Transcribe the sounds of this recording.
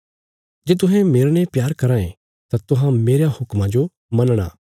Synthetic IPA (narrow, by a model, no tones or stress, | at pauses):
d͡ʒeːt̪ʊɦɛ̃meːɾɽepjaːɾkɐɾãːḛ̃ | t̪at̪ʊɦãmeːɾjahʊkmãd͡ʒo | mɐnɽ̃a̰ː